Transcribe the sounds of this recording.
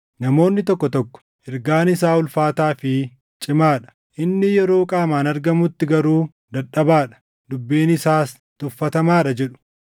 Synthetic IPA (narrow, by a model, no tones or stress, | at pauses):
nɐmo̞ːnːɪt̪ɔkːɔt̪ɔkːɔ̥ | ɛɾɡaːnɪs̬aːʊlfaːt̪aːfɪ | t͡ʃʼɪmaːᶑɐ̥ | ʔɪnːɪjɛɾo̞ːkʼaːmaːnɐɾɡɐmʊt̪ːɪɡɐɾuː | d̪ɐᶑɐbaːᶑɐ̥ | d̪ʊbːiːnɪsaːs | t̪ʼʊfːɐt̪ɐmaːᶑɐd͡ʒɛᶑʊ̥